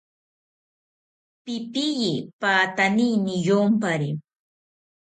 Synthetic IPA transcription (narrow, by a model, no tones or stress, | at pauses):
pɪpɪjipaːt̪anijnɪjompaɾi